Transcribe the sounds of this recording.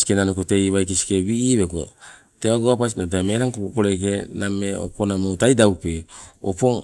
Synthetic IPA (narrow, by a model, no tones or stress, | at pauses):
si̥kenanokote̞jβajk̬isi̥keβiʔiβeko̰ | teaɡoapasinot̬eameɾaŋkokopoɾekenameo̰ponamotajdawpeo̰po̞ŋ